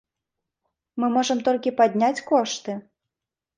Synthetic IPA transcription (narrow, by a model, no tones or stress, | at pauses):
mɨmɔʐɐmt̪ɔlʲkʲipad̪ʲnʲat͡sʲkɔʂt̪ɨ